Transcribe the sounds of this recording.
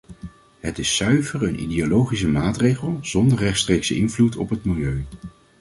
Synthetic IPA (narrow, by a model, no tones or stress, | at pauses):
ɦətɪsːœɥvəɹənʔḭdeolowχis̬əmaːtrejχəlˠz̥ɔndəɹrɛχtstrejksəɪnvlutʰɔpɦətmilˠjøɥ